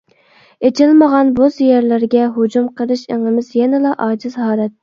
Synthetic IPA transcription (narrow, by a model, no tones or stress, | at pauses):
et͡ʃʰɪlməʁɑnbozjɛɾlæɾɡʲɛɦod͡ʒumqʰəɾɨʃḛŋɨmɪz̥jɛnɪlɑʔɑːd͡ʒizhɑːlɛt̪